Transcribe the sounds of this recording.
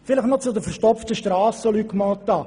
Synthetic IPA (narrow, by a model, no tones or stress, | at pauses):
fɪlɪχnɔt͡sʊd̪əfɛɾʃtɔpftəʃtrɑːsəlykmɑːlt̪ːɑ